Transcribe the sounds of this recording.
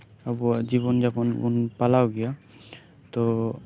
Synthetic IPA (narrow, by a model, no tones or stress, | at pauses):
abɔzibɔnzabɔnṵnpalawɡija | t̪ɔ